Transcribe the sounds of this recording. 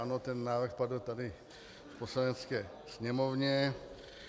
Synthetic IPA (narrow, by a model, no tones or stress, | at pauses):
anot̪ɛnːaːvɾrxpadl̩t̪adɪ | fpo̞slanɛt͡skɛː | sɲɛmovɲɛ